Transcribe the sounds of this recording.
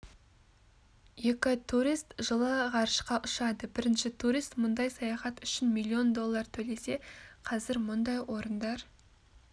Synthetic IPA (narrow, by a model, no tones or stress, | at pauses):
jekʲɪt̪ʰuɾist̪ʒəlˠəʁɑɾəʃqɑʔʊʃɑd̪əbɪɾɪnʃɪt̪ʰuɾijst̪mʊnd̪ɑjsɑjɑχɑt̪ʏʃɪnmilʲˠːio̞nd̪o̞lˠːɑɾt̪ʰɵle̞se̞qʰɑzɪɾmʊnd̪ɑjwo̞ɾənd̪ɑɾ